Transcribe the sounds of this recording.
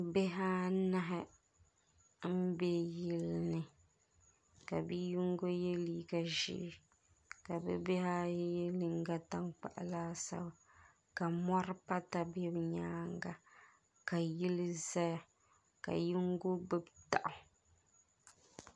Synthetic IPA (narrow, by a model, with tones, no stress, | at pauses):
be˦ɦa˦na˦ɦɪ˦ | m̩˦be˦ji˦lnɨ˨ | ka˨bi˦ji˦ŋ˦ɡo˦jɛ˦li˦ɡa˨ʒɪ̰˦ʔ | ka˨bɛ̰˦be˦ha˦jjɛ˦lɨ˨ŋɡa˦ta˦ŋk͡pa̰˨ʔa̰˨laː˦sa̰˦ba˨ | ka˨mɔ˦ɾpa˦ta˦˨bɛ˦bɲaː˦ŋɡa˨ | ka˨ji˦lɨ˦za˦ja˨ | ka̰˨ji˦ŋɡo˦bɨ˦bta˨ʔʊ˨